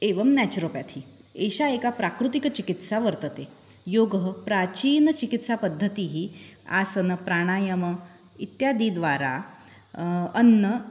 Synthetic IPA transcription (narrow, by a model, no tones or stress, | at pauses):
eʋəmnɛt͡ɕɾopjat̪ʰiː | eɕaekapɾakɾut̪ikt͡ɕikit̪saʋəɾt̪ət̪e | joɡɦəpɾat͡ɕiːnət͡ɕikit̪sapəd̪ʱːət̪iɦiːa̰sənəpɾaɽ̃ajəmə | it̪jad̪id̪ʋaɾa | ənːə